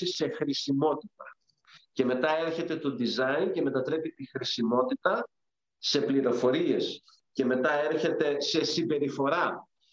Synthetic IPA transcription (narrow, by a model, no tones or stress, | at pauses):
ise̞xɾisimo̞t̪it̪ɐ | ce̞me̞t̪ɐe̞ɾçe̞t̪e̞t̪o̞d̪izɐince̞me̞t̪ɐt̪ɾe̞pit̪ixɾisimo̞t̪it̪ɐ | se̞pliɾo̞fo̞ɾie̞s | ce̞me̞t̪ɐe̞ɾçe̞t̪e̞se̞simbe̞ɾifo̞ɾɐ